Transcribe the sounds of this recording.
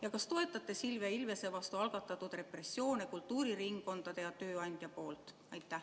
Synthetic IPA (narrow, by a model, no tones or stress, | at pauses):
jɑkɑst̪o̞e̞t̪ːˑɑt̪ˑːe̞silveilve̞se̞vɑst̪uɑlɡ̥ɑt̪ːˑɑt̪ːud̪̥re̞pre̞sːjo̞ːnekult̪ːˑuːɾiɾiŋɡo̞nd̪̥ɑd̪̥e̞jɑt̪ø̞ːɑnʲd̪̥jɑpo̞ːlt̪ˑ | ɑjt̪ˑːæh